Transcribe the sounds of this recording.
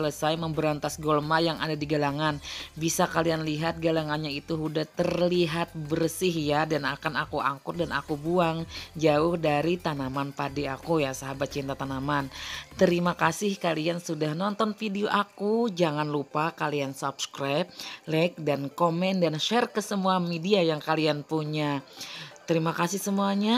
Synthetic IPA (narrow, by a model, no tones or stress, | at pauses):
ələsajməmbəɾant̪asɡɔlmajaŋa̰dadiɡalaŋanbisakalianliɦat̪̚ɡalaŋanɲait̪uɦudaht̪ərliɦat̪̚bərsɪhjadanakanakuʔa̰ŋkʊt̪̚dana̰kubuaŋd͡ʒaʊhdaɾit̪anamanpadiakujasaɦabat̪̚t͡ʃint̪at̪anamant̪əɾimakasɪhkaliansudahnɔnt̪ɔnfideoʔakud͡ʒaŋanlupakaliansupskɾajp̚lak̚dankomɛndanʃɛrkəsəmuamediajaŋkalianpuɲa | t̪əɾimakasɪhsəmuaɲa